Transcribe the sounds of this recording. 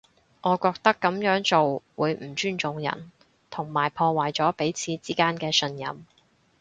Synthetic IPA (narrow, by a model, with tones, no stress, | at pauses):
ʔɔː˨˧kɔː˧k̚t̪ɐ˥kːɐ˨˥mjœː˨˥ŋt͡so˨wwuː˨˧jm̩˨˩t͡ʃyː˥nt͡sʊ˨˧ŋjɐ̰˨˩n | t̪ʰʊ˨˩ŋmaː˨˩jpʰɔː˧waː˨jt͡sɔː˨˥pe˨˥jt͡sʰiː˨˧t͡siː˥kaː˥nkɛː˧sɵ˧njɐ̰˨m